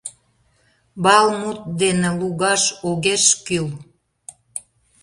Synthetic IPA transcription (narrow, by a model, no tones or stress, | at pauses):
bɑlmut̪̚d̪enĕluɣɑʃoɣeʃkyl